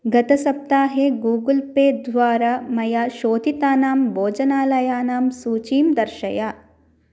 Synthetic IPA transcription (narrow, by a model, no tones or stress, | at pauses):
ɡɐt̪ɐsɐp̚t̪aːɦeɡuːɡəlpeːd̪ʋaːɾaːmɐjaːʃoːd̪ʱit̪aːnaːmboːd͡ʒɐnaːlɐjaːnaːmsuːt͡ʃiːmd̪ɐɾʃɐjaː